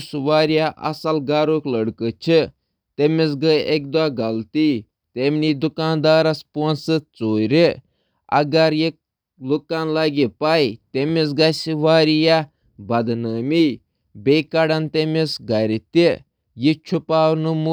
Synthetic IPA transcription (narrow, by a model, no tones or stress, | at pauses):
sʋaːɾjaʔɐ̰sɐlɡaːɾokləɽkɨt͡ʃʰi | t̪emis̬ɡəek̚d̪aːɡɐlt̪i | t̪emnid̪ukaːnd̪aːɾɐsponsɨt͡soːɾi | ɐ̰ɡɐɾji | lukanlaɡipaːjt̪emis̬ɡɐsiʋaːɾija | bɐd̪nəːmi | beːkɐɽɐnt̪emesɡɐɾit̪i | jit͡ʃʰupaːwnumu